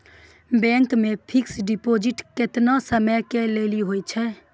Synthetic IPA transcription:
bɛ̃ːŋkmẽpʰɪksɖɪpoːd͡ʒɪʈkɪt̪nasəməkeleːliɦoːit͡ʃʰɛ

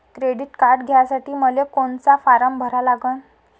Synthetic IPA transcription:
kɾeɽiʈkaɾɖɡʱejasaʈiːməlekoɳt͡safaɾəmbʱəɾalaɡən

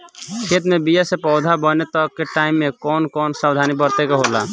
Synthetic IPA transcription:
kʰeːt̪mẽbijasepɔʊd̪ʱabənet̪əkːeʈaːimːẽkɔːnkɔːnsabd̪ʱanibəɾt̪ekeɦola̰

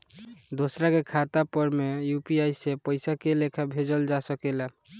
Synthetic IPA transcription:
d̪osɾakekʰat̪apəɾmejupiajsepəjsakelekʰabʱed͡ʒəld͡ʒasəkela

